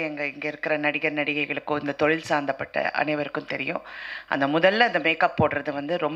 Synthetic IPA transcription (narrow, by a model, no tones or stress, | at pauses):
ɛŋɡɐɪŋɡɐɪɾɯkːɪɾɐnɐɽɪɣɐɾnɐɽɪɣɐɪɣɐɭɯkːʊ̃ɪnd̪ɐt̪ɔɻɪlsaːɾnd̪ɐpːɐʈːɐ̰ʔɐ̰nɐɪʋɐɾɯkːɯ̃mt̪ɛɾɪjʊ̃ʔɐ̰nd̪ɐmʊðɐlːɐɐnd̪ɐmeːkɐpːoːɽɾɐðɯʋɐnd̪ɯɾɔm